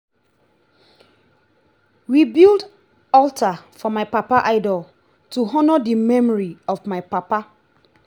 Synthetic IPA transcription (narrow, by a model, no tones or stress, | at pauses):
wibilˠd | ɔltʰafɔmaɪpapaʔaɪdɔl | tuɦɔnədimɛmɔɹiɔvmaɪpapa